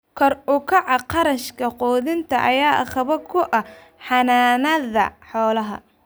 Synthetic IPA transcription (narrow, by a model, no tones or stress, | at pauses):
kʰɔrʊkʰɐʕɑqɑɾɐʃkʰɐqɔːðɪnt̪ʰɐʔɐjaːʔɑχɐβɐkʰʊʔɐ | ħɑnaːnɐðɐ̰ħɔːlɐɦɐ̰